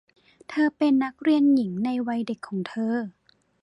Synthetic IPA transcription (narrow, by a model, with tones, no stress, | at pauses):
t̪ʰɤː˧pe˧nːa˦˥k̚ɾi˧ənji˩˦ŋna˧jwa˧jde˨˩kʰːɔː˩˦ŋt̪ʰɤː˧